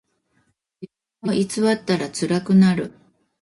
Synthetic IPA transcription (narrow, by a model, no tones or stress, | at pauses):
ibɯmoʔit͡sɨβat̪ːaɾat͡sɨɾakɯ̟naɾɯ̟